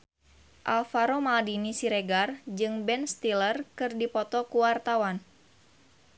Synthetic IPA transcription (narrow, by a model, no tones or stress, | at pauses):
ʔalfaɾomaldinisiɾeɡard͡ʒɨŋbɛnst̪ilərkɨrdipɔt̪ɔkuwart̪awan